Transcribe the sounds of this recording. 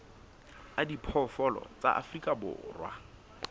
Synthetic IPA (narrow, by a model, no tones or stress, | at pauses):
adipʰɔfɔlɔ̰t͡sa̰ʔa̰frikʼabʊ̰ːrwa